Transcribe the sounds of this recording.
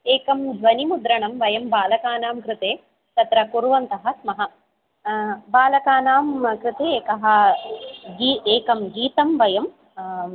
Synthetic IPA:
eːkɐmd̪ʱʋɐnimud̪ɾɐɳɐmʋɐjɐmbaːlɐkaːnaːmkɾɪt̪eː | t̪ɐt̪ɾɐkuɾuʋɐnt̪ɐɦɐ̆smɐɦɐ | baːlɐkaːnaːmkɾɪt̪eːeːkɐɦɐ̆ | ɡiːeːkɐmɡiːt̪ɐmʋɐjɐm

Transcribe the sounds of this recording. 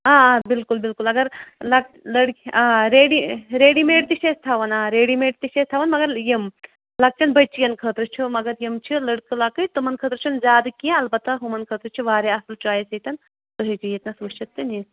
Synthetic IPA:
aːaːbilkulbilkulɐɡɐɾlɐk̚ | lɐɽaːɾeːɽiɾeːɽimeːʈt̪iʃest̪ʰaːʋɐnaːɾeːɽimeːʈt̪iʃet̪ʰaːʋɐnmɐɡɐɾjim | lɐk̚t͡ʃɐnbɐt͡ʃijɐnkʰəːt̪ɾɨt͡ʃʰumɐɡɐɾjimt͡ʃʰilɐɽkɨlakɨjt̪umɐnkʰəːt̪ɾɨt͡ʃʰunzʲaːd̪ɨkijẽɐlbɐt̪ːɐɦumɐnkʰəːt̪ɾɨt͡ʃʰuʋaːɾeɐsɐlt͡ʃaːjɐsɐt̪ʲɐn | t̪oɦid͡ʒijet̪nɐsut͡ʃɐt̪ːɨni

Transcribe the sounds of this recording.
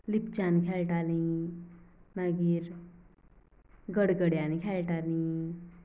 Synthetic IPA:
lip̚t͡ɕanikʰɛlʈalĩ | naɡiːɾ | ɡəɽɡəɽjanikʰɛlʈalĩ

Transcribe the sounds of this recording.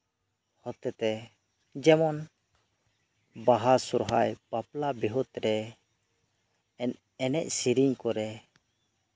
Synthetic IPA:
hɔt̪ɛt̪ɛ | d͡ʒɛmɔn | baɦasuɾɦajpaplabiɦut̪ɾɛ | ɛn | ɛnɛ̰ʔ̚siɾiɲkɔɾɛ

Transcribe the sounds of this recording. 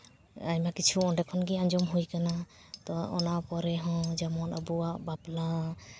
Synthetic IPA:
ajmakit͡ʃʰuɔnɖɛkʰɔnɡiaɲd͡ʒɔmɦujkana | t̪ɔɔ̰napɔɾɛɦɔ̃d͡ʒamɔnabuaʔbapla

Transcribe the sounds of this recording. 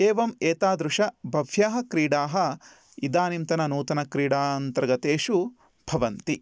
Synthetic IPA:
eːʋɐmeːt̪aːd̪ɾuʂɐbʱɐʋʱjaːɦɐkɾiːɽaːɦɐ̆ | id̪aːnimt̪ɐnɐnuːt̪ɐnɐkɾiːɽaːnt̪ɐɾɐɡɐt̪eːʃu | bʱɐʋɐnt̪i

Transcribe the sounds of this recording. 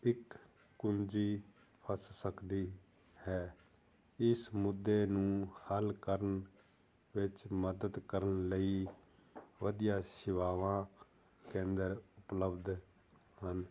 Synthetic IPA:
ɪkː | ʊnd͡ʒiː | pʰəssəkd̪iː | hɛː | ɪsmʊd̪ːeːnũːhəlkəɾən | ʋɪt͡ʃməd̪əd̪kəɾənləiː | ʋəd̪ijãːsɪʋaːʋãː | kẽːnd̪əɾʊpləbd̪ | ɦən

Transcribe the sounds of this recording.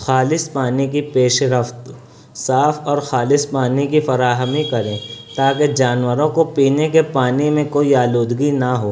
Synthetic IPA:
xaːlɪspaːnik̬ipeːʃɾəft̪ | saːfʰɔːɾxaːlɪspaːnikifɐɾaːɦəmikɐɾẽːt̪aːked͡ʒaːnwəɾõkopiːnekepaːnimẽkoːiaːloːd̪ɡinɐɦoː

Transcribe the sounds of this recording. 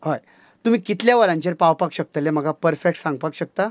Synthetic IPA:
ɦoj | t̪um̤iːkit̪ljaʋəɾãɲt͡ɕeɾpawpakɕək̚t̪əlem̤əɡʱapəɾfek̚ʈsãŋɡpakɕək̚t̪a

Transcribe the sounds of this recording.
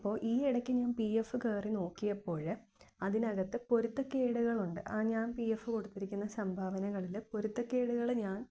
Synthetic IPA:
pːo̞ːɭʔiːiɽɐkʲːɨɲaːnpiːefːɨkeːrino̞ːkːijɐpːo̞ːɻɨ | ɐðinɐɣɐt̪ːɨpo̞ɾut̪ːɐkːeːɽuɣɐɭuɳɖɨ̰ʔaːɲaːnpiefːɨko̞ɽut̪ːiɾikʲːunːɐsɐmbʱaːʋɐnɐɣɐɭilpo̞ɾut̪ːɐkːe̞ːɽuɣɐɭɲaːn

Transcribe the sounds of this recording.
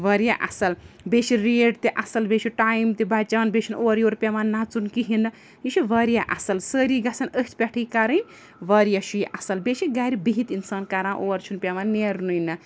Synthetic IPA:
ʋɐɾjaʔɐ̰sɐl | beʃiɾeːɖt̪eʔɐsɐlbeʃʰiʈajmt̪ebat͡ʃaʋanbeʃʰinoːɾjoːɾpʲaʋanːat͡sunkiɦinːɐ | jiʃʰiʋɐɾijaʔɐ̰sɐlsəːɾiɡɐsʰɐnəst̪̚pʲɛʈʰɨjkaɾɐnʲ | ʋɐɾjɐʃujiʔɐsɐlbeʃiɡaːɾibiɦit̪insaːnkaɾãːʔoːɐɾt͡ʃʰunpʲaʋanːeɾnujnːɐ

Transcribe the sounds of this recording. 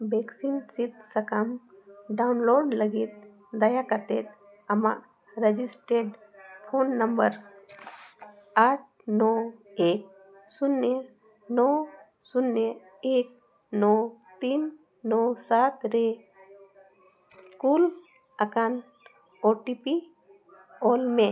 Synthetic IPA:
beksinsit̪səkamɖaunloɖləɡit̪̚ | d̪ɐjakat̪et̪̚ | ɐma̰ʔ | ɾed͡ʒisʈeɖpʰonːəmbəɾ | aʈ̚ʰnɔek̚ | sʊnːe | nɔ | sunːə | eːk̚ | nɔt̪inː | ɔsat̪ɾe | kul | əkan | oʈipi | ɔlmẽ

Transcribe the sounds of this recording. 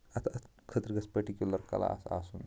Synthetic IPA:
ɐt̪ʰat̪ | kʰət̪ɾɡɐspɐɾʈikjuləɾkɐ̰la̰sa̰sun

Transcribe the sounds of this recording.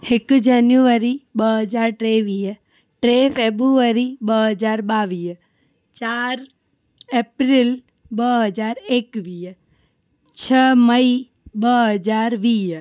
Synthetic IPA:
ekd͡ʒanjuʋəɾibəɦəd͡ʒaɾʈɾeʋiː | ʈɾefʰebɾuʋəɾibəɦəd͡ʒaɾbaʋi | t͡ʃaɾ | epɾil | bəɦəd͡ʒaɾekʋiː | t͡ʃʰəməi | bəɦəd͡ʒaɾʋiːɦ

